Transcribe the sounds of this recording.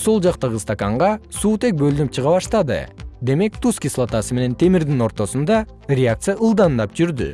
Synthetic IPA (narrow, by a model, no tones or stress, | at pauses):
solˠd͡ʒɑqt̪ɑʁɯst̪akaɴʁɑsuːt̪e̞k̚bø̞lynyp̚t͡ʃʰɯʁɑβɑʃt̪ɑd̪ɯ̰d̪e̞me̞k̚t̪uskʲislˠat̪ɑsɨme̞ne̞nt̪ʰe̞miɾd̪ino̞ɾt̪o̞sund̪ɑ | rʲeak̚t̪sɨjaʔɯlˠd̪ɑnd̪ɑp̚d͡ʒyɾd̪y̰